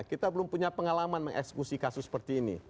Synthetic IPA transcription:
kit̪abəlʊmpuɲapəŋalamanmə̰ŋʔɛ̰ksə̥kusikasʊsːə̥pərt̪iːnḭ

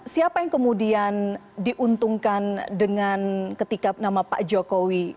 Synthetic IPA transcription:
siapajaŋkəmudiandiʔunt̪uŋkandəŋankət̪ikanamapa̰ʔd͡ʒokowi

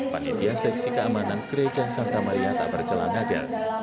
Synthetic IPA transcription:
panḭt̪iansɛksikəamanankəɾed͡ʒansant̪amaɾiat̪a̰ʔb̥ərt͡ʃəla̰ŋada̰

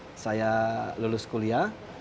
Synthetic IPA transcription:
sajalulʊskulia

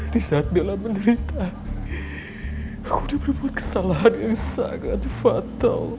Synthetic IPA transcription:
d̥isaɦat̪̚belaməndəɾit̪a | akudabərbuat̪̚kə̥salaɦanjaŋsa̰ŋa̰t̪fat̪a̰l

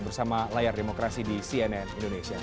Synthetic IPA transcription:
bərsamalajardemokɾasidisiɛnɛnindonesia

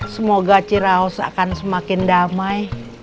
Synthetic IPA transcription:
səmoɡat͡ʃiɾaɔsa̰kansəmakɪndamaj

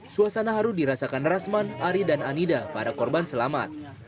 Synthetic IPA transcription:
suasanaɦaɾudiɾasakanrasmanaɾidananidapadakɔrbansəlama̰t̪̚

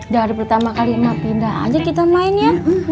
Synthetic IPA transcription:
daɾipərt̪amakalinapindaʔa̰d͡ʒakit̪amaɪnja

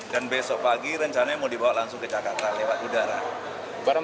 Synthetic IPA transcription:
d̥anbesɔʔpaɡiɾəɲt͡ʃanaamodibawaʔlaŋsʊŋkət͡ʃakat̪anlewat̪udaɾa | baɾa

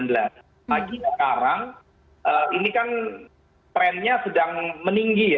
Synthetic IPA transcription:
ndla | maɡinakaɾaŋ | ʔəinikan | t̪ɾɛnɲasədaŋməniŋɡij

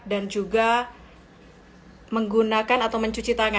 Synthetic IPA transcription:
dand͡ʒuɡa | məŋɡunakanat̪awməɲt͡ʃut͡ʃit̪aŋa

